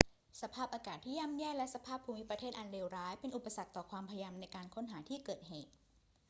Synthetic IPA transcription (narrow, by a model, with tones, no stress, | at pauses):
sa˧pʰaː˥˩p̚ʔaː˧kaː˨˩t̪ʰːiː˥˩ja˥˨mjɛː˥˩klɛ˦˥sa˧pʰaː˥˩pʰːuː˧mi˦˥pɾa˧t̪ʰeː˥˩t̪ʔa˧nɾeː˧wɾaː˦˥jpe˧nʔu˨˩pːa˧sa˨˩k̚t̪ɔː˨˩kʰwaː˧mpʰa˧ja˧mna˧jkaː˧nkʰo˦˥nɦaː˩˦t̪ʰiː˥˩kɤː˨˩t̪̚ɦeː˨˩t̪̚